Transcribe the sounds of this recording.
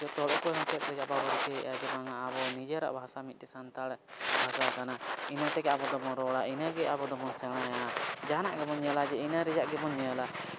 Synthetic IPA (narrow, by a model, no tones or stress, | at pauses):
d͡ʒɔt̪ɔɽɔpɔɛmɔt͡ʃɛt̪̚ɾɛd͡ʒaʔbabɔɾkɛ̰ʔaɡɛbaŋaʔːbɔnid͡ʒəɾa̰ʔbʱasamit̪̚tɛsant̪aɽɛʔbʱasakanainət̪ɛɡɛabɔd̪ɔmɔɾɔɽainəɡɛabɔd̪ɔmɔnsɛɽ̃ajad͡ʒana̰ʔɡɛmɔɲːəlad͡ʒɛinəɾɛd͡ʒaʔɡɛmɔɲːɛala